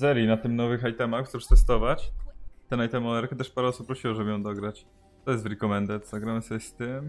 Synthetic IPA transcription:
zɛɾjinat̪ɘmnɔvɘxajt̪ɛmaxzuɾst̪ɛst̪ɔvat͡ɕt̪ɛnajt̪ɛmɔlɛɾkɛt̪ɛʂpaɾɛɔsupːɾɔɕiwɔʐɛbɘjɔ̃w̃d̪ɔɡɾat͡ɕ | t̪ɔjɛst̪vɾɛkɔmɛnd̪ɛt̪zaɡɾamɘsɔbʲɛst̪ɘm

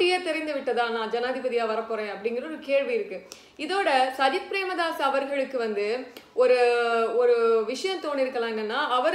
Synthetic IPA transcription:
ɪjeːt̪ɛɾɪnd̪ɯʋɪʈːɐðãːnãːd͡ʒɐnaːd̪ɪbɐðɪjaːʋɐɾɐpːoːɾẽːɐpːɐɽɪŋɡɪɾɐɔɾɯkeːɻʋiɪɾɯkːɯ | ɪðoːɽɐsɐd͡ʒɐt̪̚pɾeːmɐðaːsɐʋɐɾɣɐɭɯkːɯʋɐnd̪ɯɔɾɯɔɾɯʋɪʂɐjɐ̃mt̪oːɳːiɪɾɯkːɐlãːɛnːɛnːaːʔɐʋɐɾ

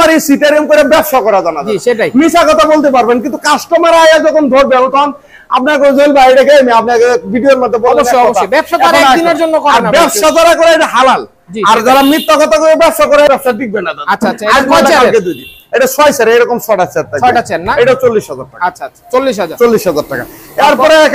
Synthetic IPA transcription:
aɾisiʈaɾiomkoɾebɛpʃakɔɾad͡ʑɔnad͡ʑeeajmisakɔt̪ʰabolt̪ep̬aɾbenkint̪ukasʈomaɾajad͡ʑɔkʰond̪ʱoɾbɛnot̪ɔɦɔn | a̰p̚niɛkod͡ʑojlbaejʈaɡejmeap̚niɛkbʱiɖioɾmod̪ʱːebolboɔɔabɛpʃaaad̪ineɾd͡ʑonːokɔaɾbɛpʃat̪aɾakɔɾeejʈaɦalal | d͡ʑiaɾd͡ʑaɾamɾit̪ːokɔt̪ʰakoɾebɛbʃakɔɾaeʈasabik̚benːad̪aaaɛkbʈaaked̪ujd̪in | eʈasajsaɾejɾɔkomsɔʈat͡ɕʰeɾt̪aɔʈat͡ɕʰenaejʈaot͡ɕolːiʃɦɔd͡ʑaɾʈa̰kaʃʰaat͡ɕolːiʃɔaɾt͡ɕolːiʃɦɔd͡ʑaɾʈaka̰eɾpɔɾeɛk

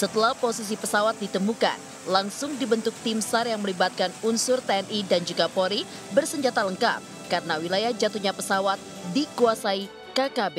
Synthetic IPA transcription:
sət̪əlahposis̬ipəsawat̪̚dit̪əmuka̰n | laŋsʊŋdibənt̪ʊk̚t̪ɪmsarjaŋməlibat̪̚kanunsʊrt̪eɛnidand͡ʒuɡapoɾi | bərsəɲd͡ʒat̪aləŋka̰p̚ | kaɾənawilajahd͡ʒat̪uɲapəsawat̪̚dikuasai | kakabe

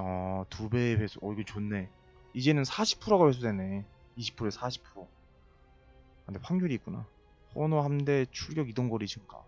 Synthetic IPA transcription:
ʌtube̞wʰes͈ʰuʌiɡot͡ɕonːe̞ | id͡ʑe̞nɯnsʰaɕʰi̥pʰuɾoɣapwe̞s̬ʰudwene̞ | iɕʰi̥pʰuɾesʰaɕʰi̥pʰuɾo | andeɸʰwaŋɡuɾiːk͈una̰ | ɸʰonohamde̞t͡ɕʰuɭɡjʌɡidʌnɡʌɾid͡ʑʰɯŋɡa̰

